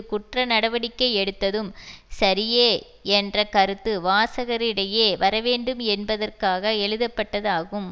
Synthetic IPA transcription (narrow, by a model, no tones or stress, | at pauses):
kʊʈrɐnɐɽɐʋɐɽɪkːɐɪɛɽɯt̪ːɐðɯmsɐɾɪjeː | ɛndrɐkɐɾɯt̪ːɯʋaːsɐɣɐɾɪɽɐjeːʋɐɾɐʋeːɳɖɯmɛnbɐðɐrkaːɣɐɛɻɯðɐpːɐʈːɐðaːɣɯm